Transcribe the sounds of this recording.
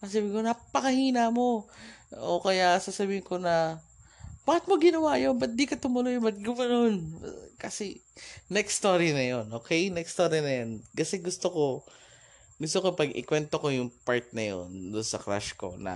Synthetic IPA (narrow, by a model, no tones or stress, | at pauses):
ɐsabiŋkonapɐkɐhiːnɐmo̞ | okɐjasasɐbiːhɪŋko̞nɐ | b̥aːhɪt̪̚moɡɪnɐwaːjonbɐt̪̚d̪ikɐt̪ʊmʊlojmɐt̪̚ɡɐmɐnonkɐsɛnɛkst̪oːɾinɐjonʔokɛjnɛkst̪oːɾinɐjonkɐsɛɡʊst̪oko̞ | ɡʊst̪okopɐɡɪ̰kwɛnt̪oko̞jʊŋpaɹt̪̚nɐjo̰nd̪ʊnsɐkɾa̰ʃko̞̰nɐ̰